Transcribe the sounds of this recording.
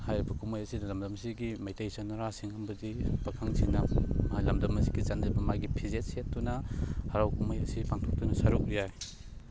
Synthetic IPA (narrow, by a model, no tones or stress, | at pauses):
hajɾibɐkumajɐsinɐlɐmdɐmsiɡimajtajsanɐɾasiŋɐmbɐdipɐkʰaŋsinɐajlɐmdɐmɐsi̥ɡit͡ʃandibɐmajɡipʰizet̚set̚dunɐhɐɾawkumajɐsipaŋtʰok̚tunɐsaɾuk̚ɾijaj